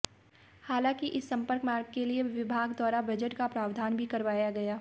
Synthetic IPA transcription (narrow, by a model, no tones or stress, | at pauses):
haːlãːkiʔɪsːɐ̃mpəɾkmaːɾɡ̚kelieʋɪbʱaːɡd̪wɔːɾabɐd͡ʒəʈkapɾaːʋd̪ʱaːnbʱikɐɾʋaːjaɡɐjaː